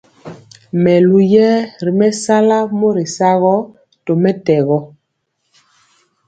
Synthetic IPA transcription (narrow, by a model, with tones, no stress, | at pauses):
mɛ˨lu˨jɛ˦ɾi˨mɛ˦sa˦la˦mo˦ɾi˨sa˦ɣɔ˦ | to˨mɛ˦tɛ˨ɣɔ˦